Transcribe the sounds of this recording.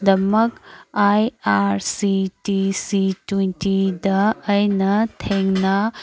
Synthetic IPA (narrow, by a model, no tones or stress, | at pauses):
d̪ɐmɐkajaɾsitisitwenʈid̪ɐɐjnɐt̪ʰeŋɡna